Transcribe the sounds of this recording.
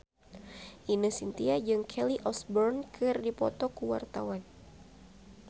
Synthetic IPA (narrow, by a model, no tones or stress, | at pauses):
ʔinɨsint̪iad͡ʒɨŋkʰɛliʔɔsbɔrnkʰɨrdipɔ̰t̪ɔkuwa̰rt̪awan